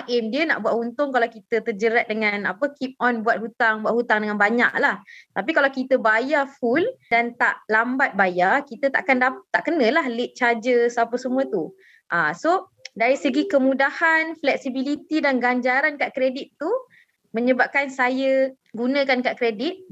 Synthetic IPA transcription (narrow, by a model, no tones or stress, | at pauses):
aʔɪmdiəna̰ʔbuaʔunt̪ʊŋkalawkit̪ət̪ərd͡ʒəɾat̪̚dəŋanapəkip̚ɔnbuat̪̚ɦut̪aŋbuaʔ̪hut̪aŋdəŋãnbaɲa̰ʔlaht̪ap̬ikalawkit̪əbajafuldant̪a̰ʔlambat̪̚bajarkit̪ət̪aʔakandapt̪ːaʔkənə̃lahlɪʔ̪̚t͡ʃad͡ʒəsəapəsəmũət̪u | ʔaso | daɾisəɡikəmũdahanflɛk̚sibilit̪idanɡaɲd͡ʒaɾankaʔkɾedit̪ːu | mə̃ɲəbap̚kansajə | ɡunə̃kankaʔkɾedit̪̚